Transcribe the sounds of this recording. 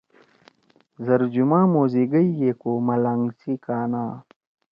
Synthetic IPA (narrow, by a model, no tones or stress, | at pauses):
zɐɾd͡ʑumãːmoːziɡəijekomɐlaŋɡsikaːnaː